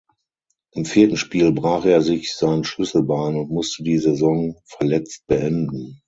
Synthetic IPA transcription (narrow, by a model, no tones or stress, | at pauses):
ʔɪmfiːɐtn̩ʃpiːlbʁaːχeːɐzɪçz̥aɪnəʃlʏsl̩baːnʊntmʊstədiːzezɔŋfɛɐlɛt͡st̚b̥əʔɛndn̩